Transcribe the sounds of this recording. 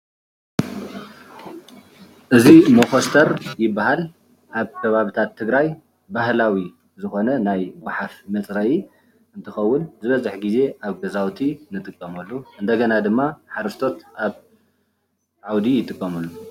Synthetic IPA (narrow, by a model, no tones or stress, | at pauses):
ʔɨzimoxost̪ʰɐɾjɪbːaɦal | ʔaβkʰɐβaβit̪ʰat̪ʰːɨɡɾaj | bahlawi | zɨxo̞nɐnajbaħafmɐt͡sʼɾɐji | ɨnt̪ʰɨxɐwːʊnzɨβɐzɨħɡize̞ʔaβɡɐzawt̪ʰinɨt̪ʼɨkʼːɐmɐlːuʔɨnd̪ɐɡɐnad̪ɨmːaħaɾɐst̪ʰo̞t̪ʔaβ | ʕawd̪ijɪt̪ʼɨkʼːɐmɐlːu